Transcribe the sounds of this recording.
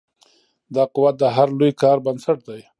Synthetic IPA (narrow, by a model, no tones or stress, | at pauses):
d̪ɑqʊwat̪̚d̪əɦaɾlojkɑːɾbansaʈ̚d̪aj